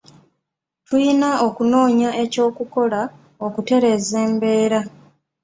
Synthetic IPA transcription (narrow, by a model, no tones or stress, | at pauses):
tʰujinao̞kuno̞ːɲaʔe̞co̞ːkuko̞la | o̞kute̞ɾe̞ːze̞ːmbe̞ːɾa